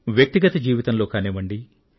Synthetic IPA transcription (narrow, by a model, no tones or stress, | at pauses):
ʋjɐk̚t̪iɡɐt̪ɐd͡ʒiːʋit̪ɐmlo̞ːkaːneːʋɐɳɖi